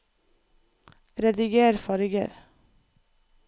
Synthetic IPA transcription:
ɾɛd̪ɪɡeæɾfɑːɾɪɡə̰ɾ

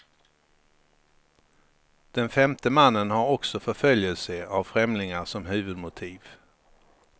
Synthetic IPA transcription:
d̪̥ɛnfɛmt̪əmanːənhaɾɔksɔfœɾfœljəlsəavfɾɛmlɪŋaʂɔmɦʉ̟ːvɵd̪mʊt̪ʰiːv

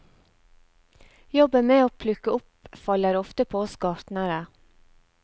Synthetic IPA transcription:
jɔbəmeːoːpʰlʉkəʊpfɑlːəɾɔft̪əpʰoːsɡɑːʈ̪nəɾə

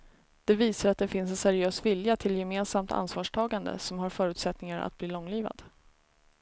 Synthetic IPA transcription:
d̪̥ɛviːsaɾat̪̚d̪ɛfɪnsɛnsæɾɪøːsvɪljat̪ʰɪljɛmeːnsamt̪ʰa̰nsvɑːʂʈʰɑːɡand̪ə̰sɔmɦaɾfœːɾʉ̟t̪sɛt̪nɪŋaɾa̰t̪̚bliːlɔŋːliːva̰d̪̥

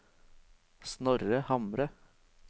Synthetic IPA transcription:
snɔɾəhɑmɾə

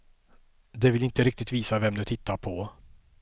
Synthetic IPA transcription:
d̪ɛvɪlɪnt̪əɾɪkt̪ɪt̪viːsavɛmd̪ɵt̪ʰɪt̪ʰːaɾpʰɔ

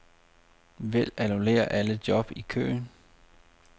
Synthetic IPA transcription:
ʋel̰ænule̝̰ːɐʔæləd̥jɒ̽b̥ikʰø̰ːn

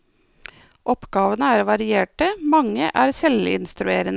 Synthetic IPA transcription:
ʔɔpɡɑːʋənəæːɾʋɑɾɪeːʈəmɑŋːəʔæːɾsɛlɪɪ̰nst̪ɾʉeːɾən

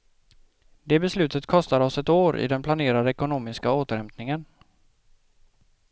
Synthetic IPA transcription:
d̪ɛːbɛslʉ̟ːt̪ət̪kʰɔst̪aɾɔsɛt̪oːɾɪ̰d̪ɛnpʰlaneːɾad̪əɛkʊnoːmɪskaoːt̪əɾhɛmp̪nɪŋən

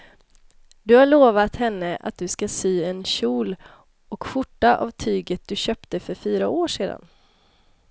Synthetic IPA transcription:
d̪ɵhaɭoːvat̪hɛnːəʔa̰t̪̚d̪ɵskasyːɛnɕuːl | ɔkɧʊʈːaʔa̰vt̪ʰyːɡət̪̚d̪ɵɕœːpt̪əfœɾfyːɾaoːʂeːd̪a̰n

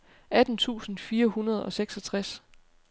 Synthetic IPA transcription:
ʔæd̥n̩t͡sʰṵːsn̩fiːɐhunɐð̞̩ˠɒ̽seɡ̥sɒ̽t͡sʰʁas

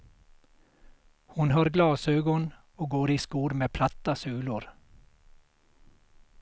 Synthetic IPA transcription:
hʊnɦɑːɾɡlɑːsøːɡɔn | oːɡoːɾiːskuːɾmeːpʰlat̪ːasʉːlʊɾ

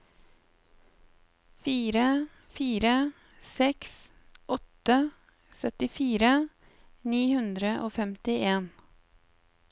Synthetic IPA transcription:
fiːɾə | fiːɾə | sɛks | ʔɔt̪ə | sœt̪ɪfiːɾə | niːhʉnd̪ɾəʔoːfɛmt̪ɪʔeːn

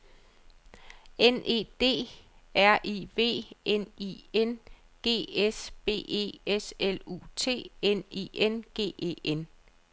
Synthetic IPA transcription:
ene̝̰ːd̥e̝̰ːæɐ̰ʔiʋe̝̰ːenien | ɡ̥e̝̰ːesb̥e̝̰ːe̝̰ːeselṵːt͡sʰe̝̰ːenḭenɡ̥e̝̰ːʔe̝̰ːen

